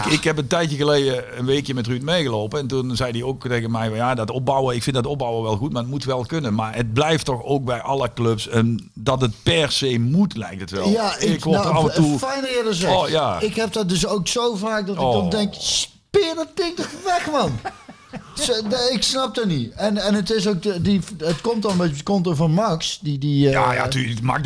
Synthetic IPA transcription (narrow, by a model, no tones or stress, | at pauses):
ɪkɦɛp̬əntɛjtjəɣəlejdəənʋeːkjəmɛtrytmejɣəlowpəɛntunzɛjdiowktejɣənmɛjvɑnjadɑtɔp̚bɑwərɪkfɪndɑtɔb̚bɑwərʋɛlˠɣutmaːrətmutʋɛlˠkɵnənmaːɹət̚blɛjftɔxoːk̚bɛjʔɑləklɵpsən | dɑt̬ət̚pɛrsejmutlɛ̰jk̚tətʋɛljˠaɪkkoɑfəufɛjnɪːdəsɛjaɪkɦɛp̚dɔdɵs̬owksowvaːk̚dɔtɪdɔndɛŋks | pɪdɔt̚pɪŋk̚dəxʋɛxʋɑn | sɪksnɑp̚dɔniɛnɛnətɪs̬owk̚ədiətkɔmtɔnbekɔmtəvɔnmɑksdidijaja̰tyːma̰ːk